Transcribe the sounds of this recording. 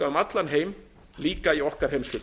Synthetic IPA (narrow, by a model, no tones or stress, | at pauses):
aʏmat̪lanɦeːjm | liːkaiɔhkaɾ̥hejmskʏ